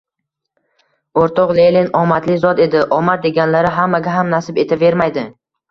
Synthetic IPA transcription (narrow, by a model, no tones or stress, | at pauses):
oɾt̪ʰɒqlelinɒmat̪lɪzɒd̪e̞d̪ɪʔɒmaɾd̪e̞ɡʲanlaɾɪɦamːaɡʲaɦamnasɪpe̞t̪ʰave̞ɾmajd̪ɪ